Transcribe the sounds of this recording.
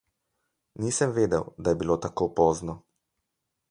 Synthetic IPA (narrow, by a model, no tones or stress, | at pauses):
niːsəmʋeːd̪ɛwd̪ajɛbiloːt̪akoːpoːznɔ